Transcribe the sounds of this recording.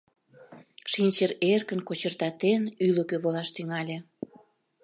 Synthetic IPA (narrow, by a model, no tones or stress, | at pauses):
ʃinʲt͡ɕərerkənkot͡ɕərt̪ɑt̪enyləkøβolɑʃt̪yŋɑlʲe